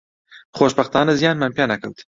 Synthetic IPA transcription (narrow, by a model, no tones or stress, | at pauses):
χoːʃbɐxt̪ɑːnɐzijɑːnmampjaːnɐkʰɐwt̪